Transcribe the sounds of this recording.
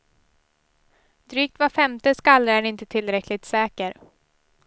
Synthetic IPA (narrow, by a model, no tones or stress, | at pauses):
d̪ɾyːk̚t̪vafɛmt̪əskalːəæɳɪnt̪ət̪ʰɪlːɾɛkʰlɪt̪sɛːkəɾ